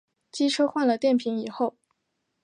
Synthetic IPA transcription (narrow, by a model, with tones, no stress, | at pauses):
t͡ɕi˥ʈ͡ʂʰɤ˥xwa˥˩nlə˩t̪jɛ˥˩npʰi˧˥ŋni˨˩xo˥˩ʊ